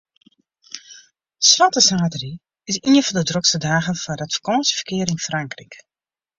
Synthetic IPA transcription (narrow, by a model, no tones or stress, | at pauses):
sʋatəsaːtəri | ɪsinəfɔndədrɔksədaːɣənfɔdatfə̥kɔːnsəfə̥kɪəɾɪnfraŋkrik